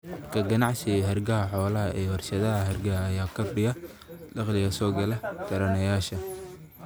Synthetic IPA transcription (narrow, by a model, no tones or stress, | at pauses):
kʰɐɡɐnɑʕsɪɦɐrɡɐɦɐħɔːlɐɦɐʔɛːwɐrʃɐðɐɦɐɦɐrɡɐɦɐːjaːkʰɐrɖɪjɐ | lɑqlɪɣɐsɔːɡɐlɐt̪ʰɐɾɐnɐjaːʃɐ